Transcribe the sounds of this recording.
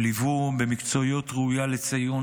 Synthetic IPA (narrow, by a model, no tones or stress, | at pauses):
livubemikt͡so̞jo̞tʁeujalet͡saju